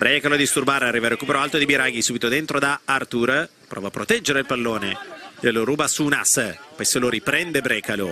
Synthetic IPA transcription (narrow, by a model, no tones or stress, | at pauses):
b̥ɾɛkalod̪ist̪urbaːɾarːivaɾokuːpeɾoalt̪od̪ibiɾaɡisuːbit̪od̪ent̪ɾod̪aart̪uɾ | pɾʔɔ̰vapːɾot̪ɛd͡ʒːeɾeilpalːoːneeloɾuːbasuːnaspɔjseloɾipɾɛnd̪ebɾɛːkalo